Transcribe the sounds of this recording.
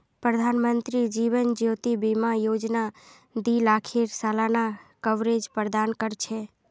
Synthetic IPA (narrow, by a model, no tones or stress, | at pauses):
pɾəd̪ʱanmənt̪ɾid͡ʒiʋənd͡ʒjot̪ibimajod͡ʒna | d̪ilakʰeɾsalanakəʋɾed͡ʒpɾəd̪ankəɾt͡ʃʰe